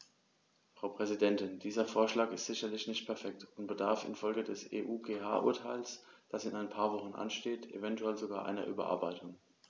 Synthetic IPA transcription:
fʁ̥aʊpʁ̥ɛzidɛntɪndiːzɐfoːɐʃlaːkɪstz̥ɪçɐlɪçtnɪçt̚pʰɛɐfɛk̚tʊntb̥ədaɐfɪ̰nfɔlɡədɛsḛːʔuːɡeːɦa̰ːʔʊɐtʰaɪlsd̥asɪnaɪnpʰaːɐvɔχn̩ʔa̰nʃteːtʔḛvɛntuɛlzoɡaːɐʔa̰ɪnɐ̰ʔy̰ːbɐ̰ʔa̰ɐbaɪtʊŋ

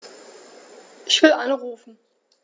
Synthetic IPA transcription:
ʔɪçv̥ɪlʔanʁuːfn̩

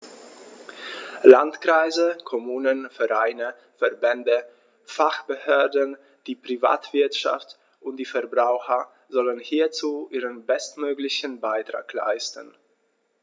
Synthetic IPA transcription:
lantkʁ̥aɪzəkʰɔmuːnənfɛʁaɪnə | fɛɐbɛndə | faχb̥əhøːɐdən | d̥iːpʁ̥iva̰ːtv̥ɪɐtʃa̰ft | ʔʊntd̥iːfɛɐbʁaʊxɐ | zɔlənhiːɐt͡suːʔiːʁənbɛstmøːɡlɪçən̩baɪtʁ̥a̰ːkla̰ɪstən̩

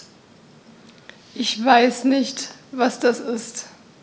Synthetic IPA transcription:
ʔɪçvaɪsnɪçtvasd̥asɪst

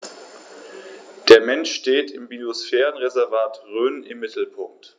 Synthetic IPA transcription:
d̥eːɐmɛnʃːteːtɪmbiosfɛːʁənʁezɛɐvaːtʁøːnɪmːɪtl̩pʰʊŋk̚t

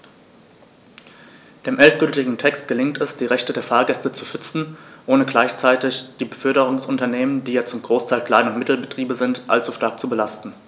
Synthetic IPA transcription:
d̥eːmʔɛlt̚ɡ̥ʏltɪɡŋ̩tʰɛkst̚ɡ̥əlɪŋtʰɛsd̥iːʁɛçtədeːɐfaːɐɡɛstət͡suʃʏt͡sn̩ʔoːnəɡlaɪçt͡saɪtɪçd̥iːbəfœɐɾəʁʊŋsʊntɐneːməndiːjaːt͡sʊmɡʁoːstʰaɪlkʰl̥aɪnʊntmɪtl̩bətʁ̥iːbəzɪntʔa̰lt͡suʃtaɐk̚t͡subəlastn̩

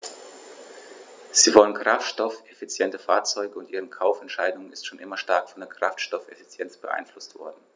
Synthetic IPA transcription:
z̥iːvɔlənkʁ̥aftʃtɔfʔefit͡sjɛntəfaːɐt͡sɔʏɡəʊntʔiːʁənkʰaʊfɛntʃaɪdʊŋənɪstʃoːnʔɪmɐʃtaɐkfɔndeːɐkʁ̥aftʃtɔfefi̥t͡sjɛnt͡sb̥əʔa̰ɪnflʊstv̥ɔ̰ɐdn̩

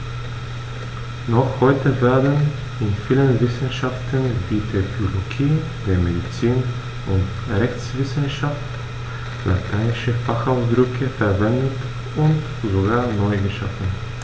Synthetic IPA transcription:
nɔχhɔʏtəvɛːɐdn | ɪnfiːlənvɪsn̩ʃaftʰənviːtʰɛkoloɡiː | deːɐmedit͡siːn | ʔʊnt | ʁɛçt͡sv̥ɪsn̩ʃaft | la̰tʰaɪnɪʃəfaχaʊsdʁʏkʰəfɛɐvɛndət | ʔʊnt | zoɡaːɐnɔʏɡəʃa̰fn̩

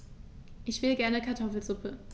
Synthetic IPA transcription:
ʔɪçv̥ɪlɡɛɐnəkʰaɐtʰɔfl̩zʊpʰə

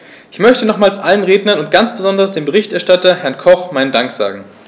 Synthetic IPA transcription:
ʔɪçmœçtənɔχmaːlsʔalənʁeːdnɐnʊnt̚ɡ̥ant͡sb̥əzɔndɐʁəsd̥eːmbəʁɪçtɛɐʃtatɐhɛɐnkʰɔχmaɪnədaŋkz̥a̰ːɡŋ̩

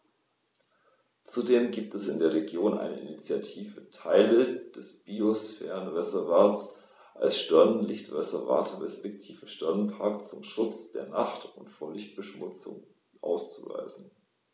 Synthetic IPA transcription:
t͡sudeːmɡiːp̚tɛsɪndeːɐʁeɡjoːnʔa̰ɪnə̰ʔɪnit͡sjatʰiːvətʰaɪləd̥ɛsb̥iosfɛ̰ːʁənʁɛzɛɐvaːɐts | ʔa̰lsʃtɛɐnənlɪçtv̥ɛzɛɐva̰ːtʰəʁɛspɛk̚tʰiːvəʃtɛɐnənpʰaɐkt͡sʊmʃʊt͡sd̥eːɐnaχtʊntfoːɐlɪçt̚b̥əʃmʊt͡sʊ̰ŋ | ʔa̰ʊst͡suva̰ɪzn̩

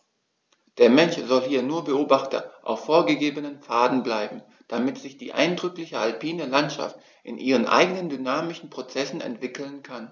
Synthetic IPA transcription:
d̥eːɐmɛnʃz̥ɔlhiːɐnuːɐbəoːbaχtɐ̰ʔa̰ʊfːoːɐɡəɡeːbənənfaːdn̩blaɪbm̩ | d̥amɪtz̥ɪçd̥ḭːʔa̰ɪndʁʏklɪçəalpʰiːnəlantʃa̰ft | ʔɪnʔiːʁənʔa̰ɪɡənəndynaːmɪʃn̩pʁ̥ot͡sɛsn̩ɛ̰ntv̥ɪkl̩nkʰan

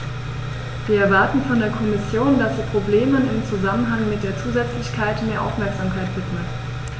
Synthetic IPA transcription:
viːɐɛɐvaɐtn̩fɔndeːɐkʰɔmɪsjoːndasd̥iːpʁ̥obleːmənɪmt͡suzamənɦaŋmɪt̚d̥eːɐt͡suːzɛt͡slɪçkʰaɪtmeːɐʔa̰ʊfmɛɐkz̥amkʰaɪtv̥ɪtmət

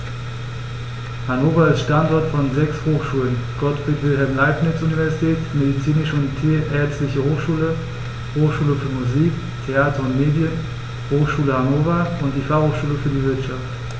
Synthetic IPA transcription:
hanoːfɐalstʃtantɔɐtfɔnzɛkshoːxʃuːlənɡ̥ɔtb̥ɪkvɪlɦɛlmlaɪpnɪt͡sʔunivɛɐzitʰɛːtmedit͡siːnɪʃəʊntʰeʔɛɐt͡stlɪçəhoːxʃuːlə | hoːxʃuːləfyːɐmuziːk | tʰeaːtʰɐʊntmeːdjən | hoːxʃuːləhanoːfɐʊntd̥iːfaχhoːxʃuːləfyːɐdivɪɐtʃaft

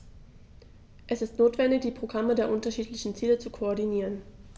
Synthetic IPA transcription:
ʔɛsɪstnoːtv̥ɛndɪçd̥iːpʁ̥oɡʁamədeːɐʔʊntɐʃiːtlɪçn̩t͡siːlət͡sukʰoɔɐdiniːʁ̞ən

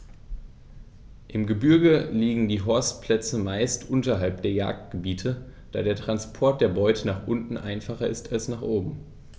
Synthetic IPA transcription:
ʔɪmɡəbʏɐɡəliːɡŋ̩diːɦɔɐstpʰl̥ɛt͡səmaɪstʔʊntɐɦalp̚d̥eːɐja̰ːk̚t̚ɡ̥əbiːtʰə | d̥aːdeːɐtʁ̥anspʰɔɐt̚d̥eːɐbɔʏtʰənaːχʔʊntn̩ʔa̰ɪnfaχɐʔɪstʰalsnaːχʔoːbm̩

